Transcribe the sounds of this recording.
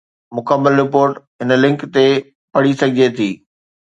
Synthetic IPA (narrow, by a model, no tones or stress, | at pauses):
mʊkəmːəlɾɪpoːɾʈɦɪnlɪ̃ŋkt̪e | pɐɽisɐɡʱɪd͡ʑet̪ʰiː